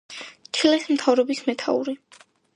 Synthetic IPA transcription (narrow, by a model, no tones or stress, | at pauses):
t̪ʰilɛsm̩t̪ʰavɾɔbismɛt̪ʰa̰ṵɾi